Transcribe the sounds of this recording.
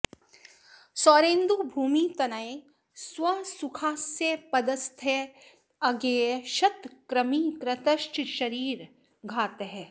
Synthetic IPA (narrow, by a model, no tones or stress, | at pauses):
sɔːɾẽːnd̪ubʱuːmit̪ɐnae | swɐsʊkʰaːsjepɐd̪ɐst̪ʰe | ɐɡeːʃɐt̪kɾɐmikɾɐt̪ɐʃʈʃɐɾiːɾ | ɡʱaːt̪ɦɛː